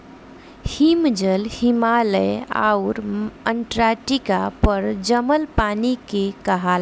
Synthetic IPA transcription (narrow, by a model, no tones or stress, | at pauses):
himd͡ʒəlhimaləja̰uɾəɳʈɾaʈikapəɾd͡ʒəməlpanikekəɦal